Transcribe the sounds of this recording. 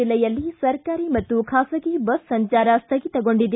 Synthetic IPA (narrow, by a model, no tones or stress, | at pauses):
ilːɐjɐlːisɐɾkaːɾimɐt̪ːukʰaːsɐɡibɐssɐɲt͡ʃaːɾɐst̪ʰɐɡit̪ɐɡo̞ɳɖid̪e